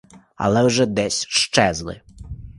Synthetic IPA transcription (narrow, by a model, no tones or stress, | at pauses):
ɐ̰lˠɛwʐɛd̪ɛsʲʃt͡ʂɛzlˠɪ̰